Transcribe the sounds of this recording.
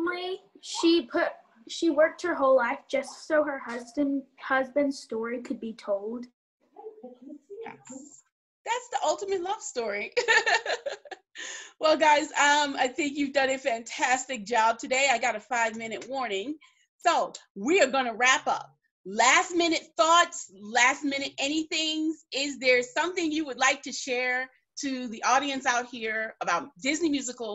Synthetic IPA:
mɪʃipʰʊt | ʃiwɜ˞k̚t̚hə˞ɦoʊlaɪfd̥ʒ̥ʌstsoʊə˞hʌzbɨ̃nhʌzbɨ̃nd̥stɔɹikʰɨd̚bitʰoʊlˠd̥ | æ̰ | ðætsðiʔʌlˠtəmɨtˡlʌv̥stɔɹi | wɛlˠɡaɪzʌ̃maɪθɪ̃ŋk̬jʉvdʌ̃nɨtfæ̃ntʰæstɨk̚d̥ʒ̥ɑb̚tʰɨdeɪaɪɡɑɾɨfaɪvmɪ̃nɨt̚mɔɹnɪ̃ŋ | soʊwiə˞ɡʌnəɹæpʌ̰p̚ | læst̚mɪ̃nɨt̪̚θɔtslæst̚mɪ̃ñɨɾɛñiθɪ̃ŋzɪzðə̥˞sʌ̃mθɪ̃ŋjɨwədˡlaɪk̚tʰɨʃɛɹ | ɾʰɨðiʔɔɾiɨ̃nsaʊt̚hiɹəbaʊt̚d̥ɪznimjʉzɨkl̩ˠ

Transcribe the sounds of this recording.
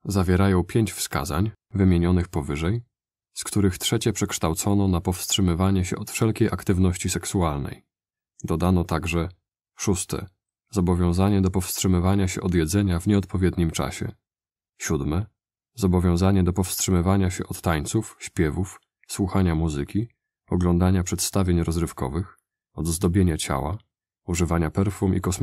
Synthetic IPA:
zavʲjɛɾajɔ̃w̃pʲjeɲt͡ɕfska̰za̰ɲvɘmʲjeɲɔnɘxpɔvɘʐɛj | skt̪uɾɘxt̪ʂɛt͡ɕɛpʂɛkʂt̪awt̪sɔnɔnapɔfstʂɘmɘvaɲɛɕɛ̰ʔɔt̪fʂɛlkʲejʔakt̪ɘvn̪ɔɕt͡ɕisɛksualnɛ̰j | d̪ɔd̪anɔt̪aɡʐɛ | ʂust̪ɛ̰ | zɔbɔvʲjɔ̃w̃zaɲɛd̪ɔpɔfstʂɘmɘvaɲaɕɛ̰ʔɔd̪jɛd̪zɛɲavɲɛɔt̪̚pɔvʲjɛd̪ɲimt͡ʂa̰ɕɛ̰ | ɕud̪mɛ | zɔbɔvʲjɔ̃w̃zaɲɛd̪ɔpɔfstʂɘmɘvaɲaɕɛ̰ʔɔt̪ːaɲt̪sufɕpʲjɛvuf | swuxaɲamuzɘkʲi | ɔɡlɔnd̪aɲapʂɛt̪st̪avʲjeɲɾɔzɾɘfkɔ̰vɘx | ɔd̪zd̪ɔbʲjeɲat͡ɕa̰wa̰ | uʐɘvaɲapɛɾfumʔḭkɔs

